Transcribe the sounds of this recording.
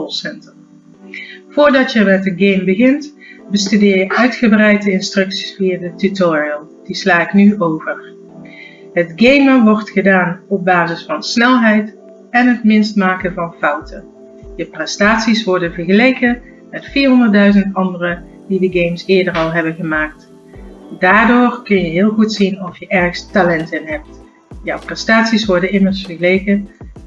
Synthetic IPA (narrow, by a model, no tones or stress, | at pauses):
ɔlˠsɛntər | v̥ʊːɹdɑtjəmɛt̚dəɡejmbəɣɪnt | bəstydɪːɹjəʔœɥtχəbrɛjt̚dəɪnstrɵksi̥sfiaːdətytɔɹiəlˠ | d̥islaːɪknyʔowvər | ɦətɡejməʋɔɹtχədaːnɔb̚baːzəsfɑnsnɛlˠɦɛjt | ɛnɦətmɪnstmaːkənvɑnfɑwtʰə | jəprɛstaːtsisʋɔɹdənvəɹɣəlejkə | mɛtfiːɹɦɔndərtdœɥzəntɑndərə | didəɡejmsɪːɹdərɑlˠɦɛbənɣəmaːk̚t | daːɹdoːɹkɵnjəɦɪːlˠɣutsinɔfjəʔɛɹxstalɛntɪnɦɛp̚t | jɔwprɛstaːtsisʋɔɹdənɪməɹsfəɹɣəlejkə